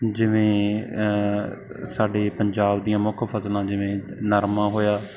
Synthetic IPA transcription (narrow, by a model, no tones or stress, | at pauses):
d͡ʒɪʋẽː | saːɖeːpəɲd͡ʒaːbd̪iːãːmʊkʰpʰəslãːd͡ʒɪʋẽːnəɾmãːɦoːjaː